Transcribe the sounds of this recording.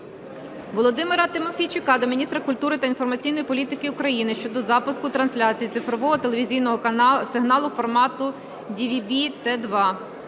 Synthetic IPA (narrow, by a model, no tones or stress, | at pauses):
ʋɔlˠɔd̪ɪmeɾɐt̪ɪmɔfʲit͡ʃʊkɑd̪ɔmʲinʲist̪ɾɐkʊlʲt̪uɾɪt̪ɐinfɔrmɐt͡sʲijnɔjipɔlʲit̪ɪkɪʊkɾɐjinɪʃt͡ʃɔd̪ɔzɑpʊskʊt̪ɾɐnsʲlʲat͡sʲijit̪sɪfɾɔʋɔɦɔt̪elʲˠeʋʲizʲijnɔɦɔsɪɦnɑlˠʊfɔrmɑt̪ʊ | dʲiʋʲibʲit̪ɛd̪ʋɑ